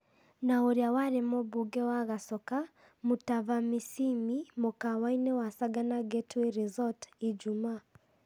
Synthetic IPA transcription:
naoɾjawaɾɛmɔbuɡɛwaɣasɔka | mutavamisimimɔkawainɛwasaɡanaɡetueɾizɔtid͡ʒumaː

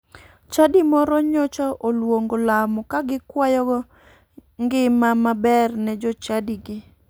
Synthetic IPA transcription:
t͡ʃadimɔɾɔɲɔt͡ʃɔʔolwoŋɡolamɔkaɡɪkwajɔɡɔ | ŋɡɪmamabɛrnɛd͡ʒɔt͡ʃadiɡɪ

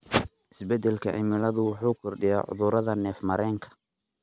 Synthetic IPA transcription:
ʔɪsbɛd̪ɛlkʰɐ̰ʕɪ̰mɪlɐðʊwʊħuːkʰɔrɖɪja̰ːʕʊ̰ðʊɾɐðɐnɛːfmɐɾɛːŋkʰɐ̥

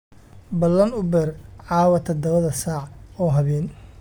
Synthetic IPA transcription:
bɐlːɐnʊbɛrʕɑːwɐt̪ʰɐd̪ɐβɐðɐsaːʕɔːɦɐβɛːn

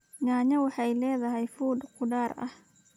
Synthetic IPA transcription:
naːɲɐwɑħɑjlɛːðɐɦɛjfuːd̪qʰʊɖaːrɐ̰h

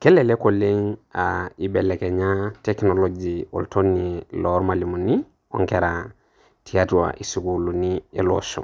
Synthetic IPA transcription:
kɛlɛlekoleŋaibɛlɛkɛɲatɛknolod͡ʒio̰lutʰonilɔɾmalimuni | o̰ŋkɛɾa | tiatuwa̰ʔisukulunielosɔ̰̃

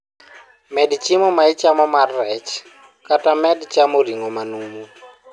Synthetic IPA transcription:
mɛdit͡ʃʼimɔmait͡ʃʼamɔmarɛt͡ʃ | kʼatʼamɛdit͡ʃʼamoriŋɔmanumu

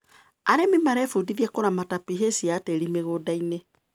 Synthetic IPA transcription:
aɾemimaɾɛfudiðjɛkoɾamatapiɦesiateɾimeɣoːdaine

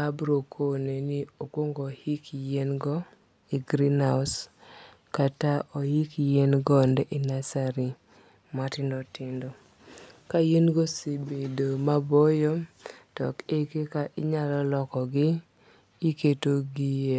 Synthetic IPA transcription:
abɾokʰonenɪokwoŋɡohikjenɡɔ | iɡɾinaʊs | kataʔojikjenɡɔndɛʔinasaɾi | matɪndɔtɪndɔ | kajenɡosebedomabɔjɔ | tɔkekekaʔɪɲalɔlɔkɔɡɪ | iketoɡie

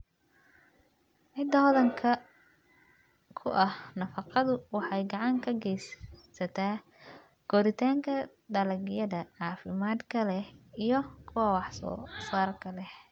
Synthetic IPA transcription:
ʕɪd̪ɐɦɔðɐŋkʰɐ | kʰʊʔɐhnɐfɑqɑðʊwɑħɑjɡɑʕɑŋkʰɐɡɛjssɐt̪ʰaː | ɡ̥ɔːɾɪt̪ʰaːŋkʰɐ | d̪ɐlɐɡjɐðɐʕɑːfɪmaːd̪kʰɐlɛhijɔkʰʊwɑwɑħsɔ̰ːsaːrkʰɐlɛh

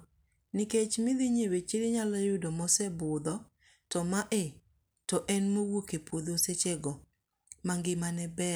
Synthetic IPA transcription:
nɪket͡ʃmɪd̪ɪɲewet͡ʃiɾɪɲalɔjʊdɔmɔsɛbʊd̪ɔ | tɔmaʔe | tɔʔɛnmowokepod̪oset͡ʃeɡɔ | maŋɡɪmanɛbɛ

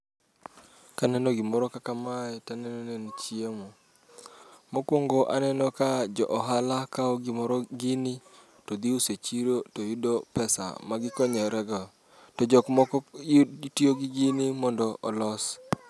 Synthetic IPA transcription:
kanɛnɔɡɪmɔɾɔkakamaɛtanɛnɔnent͡ʃiemo | mokwoŋɡɔʔanɛnɔkad͡ʒɔʔɔɦalakaɔɡɪmɔɾɔɡɪni | tod̪iuset͡ʃiɾotojudopɛsa̰maɡɪkɔɲɔɾɛɡɔ | tɔd͡ʒɔkmɔkɔtioɡɪɡɪnimɔndɔʔɔ̰lɔs

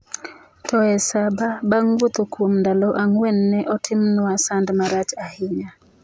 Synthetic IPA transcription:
tɔɛsababaŋɡwot̪okwomndaloʔaŋwɛnːɛʔɔtʰɪmnʊasandmaɾat͡ʃahɪɲa

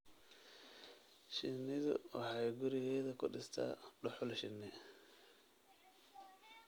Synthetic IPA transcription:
ʃɪnːɪðʊ̰wɑħɑjɡʊɾɪɣɛːðɐkʰʊɖɪst̪ʰa̰ːɖʊħʊlʃɪnːɪ

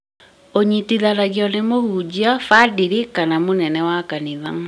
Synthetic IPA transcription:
oɲitiðaɾaɣiɔnemohud͡ʑiafadiɾikanamonɛnɛwakaniðaŋ

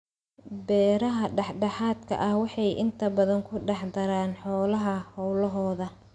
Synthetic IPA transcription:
bɛːɾɐɦɐɖɑħɖɑħaːd̪kʰɐ̰ʔɐhwɑħɑjʔɪ̰nt̪ʰɐbɐðɐŋkʰʊɖɑħd̪ɐɾaːnħɔːlɐɦɐhɔwlɐɦɔːðɐ

